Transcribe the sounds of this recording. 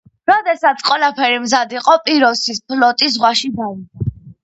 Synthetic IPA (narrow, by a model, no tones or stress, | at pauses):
ɾɔd̪ɛsat̪sʰqʼwɛlˠapʰɛɾimzad̪iqʼɔpʼiɾɔsispʰlɔt̪ʼis̬ʁwaʃid̪aidɔ